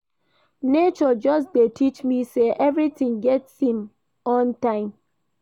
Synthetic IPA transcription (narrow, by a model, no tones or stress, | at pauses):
net͡ʃɔd͡ʒɔs̬detʰit͡ʃmiseʔɛvɾitĩŋɡɛtshĩm | ɔ̃ntãɪ̃m